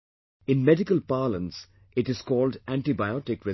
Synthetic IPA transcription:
ɪ̃nmɛɖɪkəlpaːlə̃ns | ɪʈɪz̥kɔːlɖæ̃ɳʈibaɪɔʈɪkɾɛ

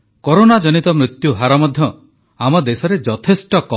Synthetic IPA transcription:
koɾonad͡ʒɔnit̪ɔmɾit̪juɦaɾɔmɔd̪ʱjɔ | amɔd̪esɔɾed͡ʒɔt̪ʰesʈɔkɔ

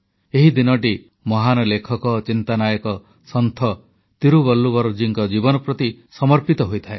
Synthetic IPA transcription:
eɦid̪inɔʈ̬i | mɔɦanɔlekʰɔkɔt͡ʃint̪anajɔkɔ | sɔnt̪ʰɔ | t̪iɾuβɔlːubɔɾɔd͡ʒiŋkɔd͡ʒibɔnɔpɾɔt̪isɔmɔɾpit̪ɔɦojt̪ʰaḛ

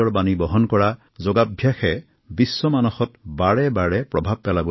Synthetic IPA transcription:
ɔɹbanibɔɦɔnkɔɹa | zoɡabʱjaxɛ | bisːɔmanɔxɔtbaɹɛbaɹɛpɹɔbʱab̚pɛlabɔ

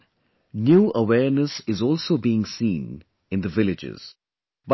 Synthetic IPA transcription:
njuːʔəwɛːɾnəsɪzɔːlsoːbiːɪ̃ŋsĩːn | ɪ̃nd̪əʋɪlɪd͡ʒɪ̰z̥ | b

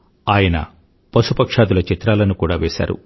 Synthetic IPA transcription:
aːjɐnɐ̰ | pɐsupɐkʂaːd̪ulɐt͡ʃit̪ɾaːlɐnukuːɽaːʋɛːsa̰ːɾṵ

